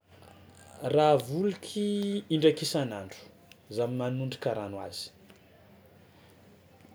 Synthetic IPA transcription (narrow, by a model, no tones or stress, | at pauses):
ravulukʰiiɳɖ͡ʐakisanaɳɖ͡ʐu̥ | zamimanuɳɖ͡ʐikʲaɾanwa̰z̥i̥